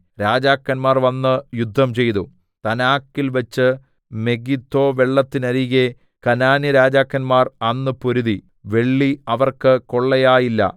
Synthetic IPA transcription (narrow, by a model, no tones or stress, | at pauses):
ɾaːd͡ʑaːkːɐnmaːrʋɐnːɨjud̪ʱːɐmt͡ɕe̞jt̪u | t̪ɐnaːkːilʋɐt͡ɕːɨ | me̞ɡit̪ːo̞ːʋe̞ɭːɐt̪ːinɐɾiɣe | kɐnaːniɾaːd͡ʑaːkːɐnmaːrɐnːɨpoɾuði | ʋe̞ɭːiɐʋɐrkɨko̞ɭːɐjaːjilːɐ̰